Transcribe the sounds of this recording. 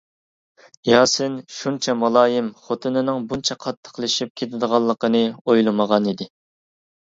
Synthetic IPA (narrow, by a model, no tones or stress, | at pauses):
jɑːsɨnʃunt͡ʃʰɛmɑlˠɑːjɪmχot̪ʰɨnɪnɪŋbunt͡ʃʰɛqʰɑt̪ʰːə̥qlˠɨʃip̚kʲʰet̪ʰɪd̪əʁɑlˠːəqənɨojlˠɨməʁɑnid̪ɪ